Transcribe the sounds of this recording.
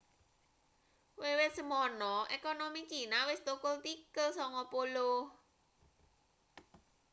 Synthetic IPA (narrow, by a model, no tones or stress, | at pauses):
wewet̪̚səmɔːnːɔʔekɔnomikiːnawest̪okolt̪ikːɤːsɔŋɔpoloː